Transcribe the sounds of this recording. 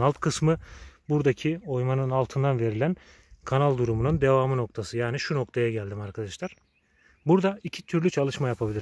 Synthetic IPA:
alˠt̪kʰɯsmɯbuɾd̪acʰio̞jmanɯnalˠt̪ʰɯnd̪anve̞ɾilʲæn | kʰanalˠd̪uɾumunund̪e̞vaːmɯno̞k̚t̪ʰasɯjaːniʃuno̞k̚t̪ʰajaɟælʲd̪imaɾkʰad̪aʃlˠaɾ̥ | buɾd̪aicʰit̪ʰyɾlʲyt͡ʃʰalˠɯʃmajapʰabilʲiɾ

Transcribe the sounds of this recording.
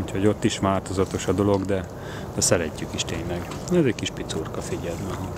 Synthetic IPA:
ucho̞ɟo̞t̪ːiʃʋaːt̪o̞zɒt̪o̞ʃɒd̪o̞lo̞ɡd̪ɛ | d̪ɛsɛɾɛcːykiʃt̪eːɲlɛɡ | ɛzɛckiʃpit̪surkɒfiɟɛlmɛɦɒ

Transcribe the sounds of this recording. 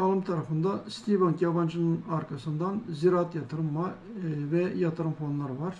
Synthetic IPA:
ɑlˠɯmt̪ʰɑɾɑfɯnd̪ɑst̪ivɑŋkjɑvɑnt͡ʃʰinɨnɑɾkʰɑsɨnd̪ɑnziɾɑt̪jɑt̪ʰɯɾɯmːɑ | vɛjɑt̪ʰɯɾɯmfonlˠɑɾbɑɾ

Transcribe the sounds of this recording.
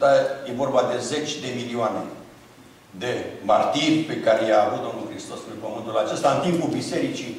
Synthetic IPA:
t̪aje̞vo̞rbad̪e̞ze̞t͡ʃʲd̪e̞milioane̞ | d̪e̞mart̪irʲpe̞kaɾejaːvut̪̚d̪omnulxɾist̪o̞sɾipəmɨnt̪ulat͡ʃe̞st̪aɨnt̪impulbise̞ɾit͡ʃi

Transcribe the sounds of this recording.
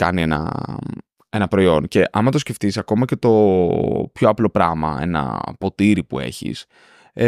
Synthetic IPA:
kɐ̰nienɐ̰ | e̞nɐpɾo̞io̞nce̞ʔɐmɐt̪osce̞ft̪isɐko̞mɐce̞t̪o̞ | pçoɐplo̞pɾɐmɐ̰e̞̰nɐ̰po̞t̪iɾipue̞̰çḭs

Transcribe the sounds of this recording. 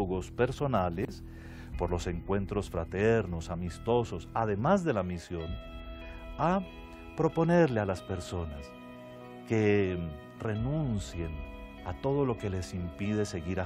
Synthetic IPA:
ɣo̞spe̞ɾso̞nales | po̞ɾlo̞se̞ŋkwe̞nt̪ɾo̞sfɾat̪eɾno̞samist̪o̞so̞saðe̞mazðe̞lamisjo̞n | a | pɾo̞po̞neɾlealaspe̞ɾso̞nas | ke | re̞nũnsje̞n | at̪o̞ð̞o̞lo̞ke̞lesimpið̞e̞se̞ɣiɾa

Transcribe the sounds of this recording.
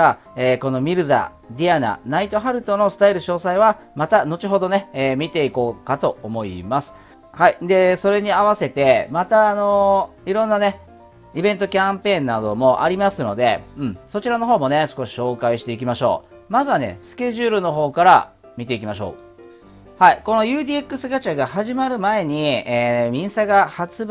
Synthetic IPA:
a | eːko̞no̞mʲiɾɯ̟za̰ | d̪ʲiana̰nait̪o̞ɦaɾɯ̟t̪o̞no̞sɨ̥t̪aiɾɯ̟ɕo̞ːsaiβ̞a | mat̪ano̞t͡ɕiɦo̞d̪o̞ne̞ːmʲit̪e̞iko̞ːkat̪o̞omo̞ḭmasɨ̥ | haid̪e̞so̞ɾe̞ɲ̟iaβase̞t̪e̞mat̪aːno̞ | iɾõ̞nːane̞ | ibẽnt̪o̞kʲãmpẽ̞ːnːad̪o̞mo̞ʔa̰ɾʲimasɨno̞d̪e̞̰ɯ̟̃ɴso̞t͡ɕiɾano̞ɦo̞ːmo̞ne̞sɨ̥ko̞ɕi̥ɕo̞ːkaiɕi̥t̪e̞ikʲimaɕo̞̰ː | mazɨβane̞̰sɨ̥kʲe̞ʑɨːɾɯ̟no̞ɦo̞ːkaɾa̰ | mʲit̪e̞ikʲimaɕo̞̰ː | haiko̞no̞jɯ̟ːd̪ʲiːekːɯ̟sɨɡat͡ɕaɡahaʑimaɾɯ̟mae̞ɲ̟ieːmʲĩɰ̃saɡahat͡sɨ

